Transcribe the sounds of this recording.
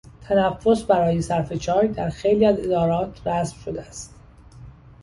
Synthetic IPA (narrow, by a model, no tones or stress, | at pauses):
t̪ʰænæfːo̞sbæɾɒːjesæɾfe̞t͡ʃʰɒːjd̪æɾxe̞jliːæzed̪ɒːɾɒːt̪ʰræsb̥ʃod̪eæst̪